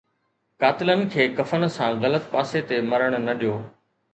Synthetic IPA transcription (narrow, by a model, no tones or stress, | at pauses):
kaːt̪ɪlənɪ̆kʰeːkɐfən̆sãːɣɐlət̪̚paːset̪emɐɾəɽ̃ʊnɐɗijoː